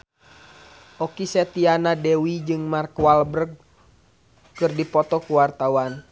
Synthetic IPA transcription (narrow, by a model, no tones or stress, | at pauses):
ʔɔkisɛt̪ianadɛwid͡ʒɨŋmarkwalbərɡ̚ | kɨrdipɔt̪ɔkuwart̪awan